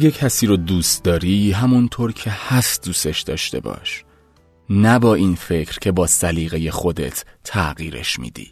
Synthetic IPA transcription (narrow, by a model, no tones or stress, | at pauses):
jecʰæsiːɾod̪uːst̪d̪ɒːɾiːɦæmunt̪ʰoːɾcʰe̞hæst̪̚d̪uːse̞ʃd̪̥ɒːʃt̪e̞̰bɒ̰ːʃ | næbɒːiːnfe̞cʰɾ̥cʰe̞bɒːsæliːɣe̞je̞xo̞d̪e̞̰t̪ʰːæɣiːɾe̞̰ʃmḭːd̪ḭː